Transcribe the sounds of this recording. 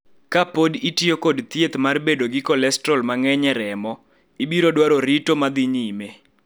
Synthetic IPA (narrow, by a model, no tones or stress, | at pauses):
kapoditiokodt̪jet̪marbedoɡɪkɔlɛstɾɔlmaŋɛɲɛɾɛmɔ | ibiɾodwaɾoɾitomad̪ɪɲime